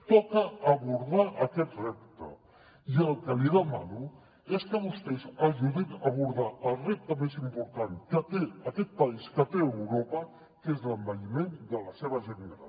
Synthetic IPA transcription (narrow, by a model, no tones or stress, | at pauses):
t̪ɔkəːβuɾðaʔɐkɛt̪rɛp̚t̪ə̰ | iəlˠkəliðəmanu | eskəβust̪ezɐʒuðinɐβuɾðaʔəlˠrep̚t̪əmezimpuɾt̪aŋkət̪eɐkɛt̪̚pɐiskət̪eəwɾopə | kezləmbəʎimend̪əlɐseβəʒənɾa̰